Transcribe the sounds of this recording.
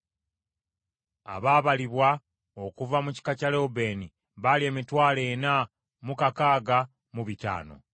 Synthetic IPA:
a̰βaːβaliβwa | okuvamuci̥kacalebe̞ːni | βalie̞ːmitwaːle̞ːna | mukakaːɡa | muβita̰ːno̞̰

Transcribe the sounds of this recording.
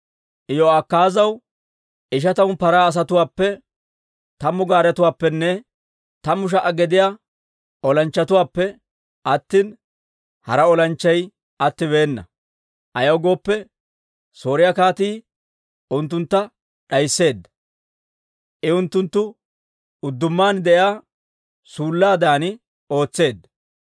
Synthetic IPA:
ʔɪjɔɐkːaːzɐw | ʔɪʃ̬ɐt̪ɐwnpɐɾaːs̬ɐt̪ʊwaːpːɛ | t̪ɐmːʊɡaːɾɛt̪ʊwaːpːɛnːɛ | t̪ɐmːʊʃ̬ɐʔɐɡɛd̪ɪja | ɔlɐnt͡ʃːɐt̪ʊwaːpːɛ | ʔɐt̪ːiːn | hɐɾɐɔlɐnt͡ʃːɐj | ɐt̪ːɪβe̞ːnːɐ̰ | ʔɐjɐwɡo̞ːpːɛ | so̞ːɾɪjakaːt̪iː | ʔʊnt̪ːʊnt̪ːɐ | ᶑɐjsːe̞ːd̪ːɐ | ʔɪʊnt̪ːʊnt̪ːʊ | ʊd̪ːʊmːaːnd̪ɛʔjaː | suːlːaːd̪aːnɪ | o̞ːt͡sːe̞ːd̪ːɐ

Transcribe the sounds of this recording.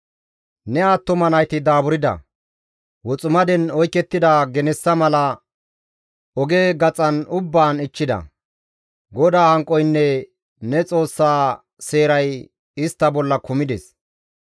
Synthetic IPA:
nɛaːt̪ːʊmɐnɐjt̪ɪd̪aːbʊɾɪd̪ɐ̰ | wɔt͡sʼʊmɐd̪ɛnɔjkːɛt̪ːɪd̪aːɡɛnɛsːɐmɐlɐ | ɔɡe̞ːɡɐt͡sʼɐnʊbːaːnɪt͡ʃːɪd̪ɐ̰ | ɡɔd̪aːhɐŋkʼːɔjnːɛ | nɛt͡sʼo̞ːsːaː | se̞ːɾɐj | ɪst̪ːɐbɔlːɐkʊmɪd̪ɛs

